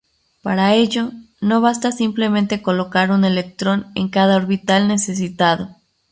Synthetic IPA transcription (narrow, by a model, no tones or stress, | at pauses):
paɾae̞ʝo̞ | no̞βast̪asimple̞mẽnt̪e̞ko̞lo̞kaɾune̞le̞k̚t̪ɾo̞ne̞̰ŋkaðaoɾβit̪alne̞se̞s̬it̪að̞o̞